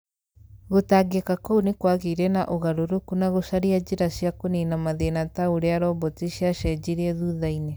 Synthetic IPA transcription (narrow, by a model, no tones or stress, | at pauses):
ɣotaɡekakonekwaɣeɾɛnaʔoɣaɾoɾokunaɣosaɾiad͡ʑeɾasiakonenamaðenataoɾeaɾɔbɔtiɕiaʃɛd͡ʑiɾiɛðuðaine